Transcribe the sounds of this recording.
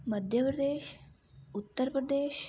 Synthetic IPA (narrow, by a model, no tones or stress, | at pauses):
mɐd̪ʱjɐpɾɐd̪eːʃ | ut̪ːəɾpɾɐd̪eːʃ